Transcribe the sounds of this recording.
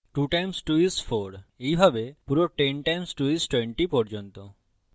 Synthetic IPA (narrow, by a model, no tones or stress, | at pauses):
ʈuʈajmsʈuisfʰoɾejbʱabepuɾoʈenʈajmsʈuisʈweɳʈipɔɾd͡ʑont̪o